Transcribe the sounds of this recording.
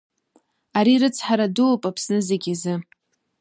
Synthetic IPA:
aɾiɾɨt͡sʰħaɾadulpʼapʰsnɨzeɡʲazɨ

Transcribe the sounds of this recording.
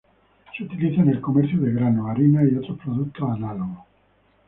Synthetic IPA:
seut̪iliθane̞lkomeɾθjoðeɣɾanoaɾinaiot̪ɾospɾoðukt̪osanaloɣo

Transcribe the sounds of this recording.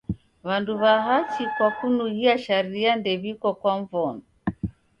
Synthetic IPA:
βanduβaɦat͡ʃikwakunuɡiaʃaɾiandɛβikɔkwaɱvɔnɔ

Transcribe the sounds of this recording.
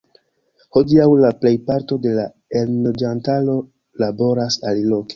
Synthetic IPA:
ho̞diawlaple̞jpaɾto̞de̞la | elnod͡ʒantalo̞ | labo̞ɾasalilo̞ke

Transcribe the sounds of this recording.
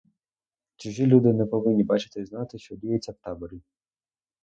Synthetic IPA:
t͡ʃɪʒilʲud̪ɪnɛpɔʋɪnʲːibɑt͡ʃɪ̥t̪ɪznɑt̪ɪʃt͡ʃɔd̪ʲijet͡sʲːɐwt̪ɑbɔɾʲi

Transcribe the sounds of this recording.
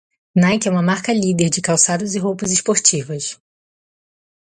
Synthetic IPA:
najkɛũmɐmaɾkɐlid̪eɾd͡ʒɪkawsad̪ʊzɪɦowpɐzɪʃpoɾt͡ʃivɐs

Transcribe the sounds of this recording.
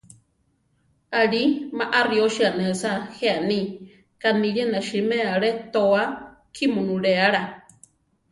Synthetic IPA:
aɺimaʔarioʃianesaheani | kaniɾenaʃimeaɺet̪oa | kʰimunuɺeaɺa

